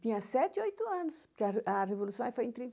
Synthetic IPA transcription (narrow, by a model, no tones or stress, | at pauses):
t̪ĩɲɐ̃sɛt̪iojt̪uɐnʊʃpuɾkɐʔɐʁevulˠusɐ̃w̃ɛfojẽt̪ɾĩ